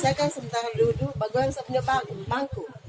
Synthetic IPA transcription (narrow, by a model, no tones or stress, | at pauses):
sakansəmənt̪aɾadudubaɡuansəpəɲɔbaŋupaŋku